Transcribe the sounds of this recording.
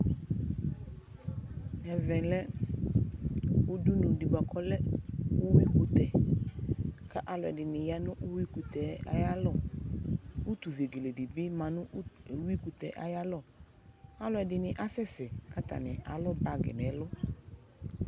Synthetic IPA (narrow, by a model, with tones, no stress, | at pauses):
ɛ˨vɛ̃˨lɛ˦ | u˦du˦nũ˨di˨ba˨kʰɔ˦lɛ˦u˦wi˦ku˨t̪ɛ˨ | ka˦ʔa˨lɔ˨ɛ̰˨dɪ˨nɪ̃˨ja˦nʊ̃˦ʔu˦wi˦ku˨t̪ɛ˨a̰˨ja˦lɔ˦˨ | u˦t̪u˨ve˨ɡe˨le˨di˨bɪ˦mã˨nʊ̃˦˨wi˦ku˨t̪ɛ˨ʔa̰˨ja˦lɔ˦˨ | a˦lɔ˨ɛ˨dɪ˨nɪ̃˨ʔa˦sɛ˦sɛ˨ka˦t̪a̰˨nɛ˨ʔa˨lɔ˦ba˨ɡɛ̰˨m˨ɛ˨˦lɔ˦